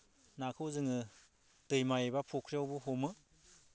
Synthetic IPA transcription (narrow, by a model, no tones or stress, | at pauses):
nakʰɯwzɯŋɯ | tɯjmajebapʰukʰɾiawbuɦomɯ